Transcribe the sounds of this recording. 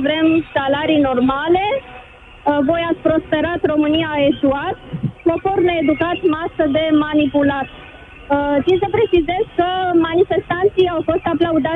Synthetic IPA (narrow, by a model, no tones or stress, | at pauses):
vɾe̞msalaɾino̞rmale̞ | vo̞jat̪sʲpɾo̞spe̞ɾat̪ro̞mɨniaːeʃuat̪koforneed̪ukat̪masəd̪e̞manipulat̪ | t̪insəpɾe̞t͡ʃize̞zkəmanife̞st̪ant̪sijawfo̞st̪aplaud̪a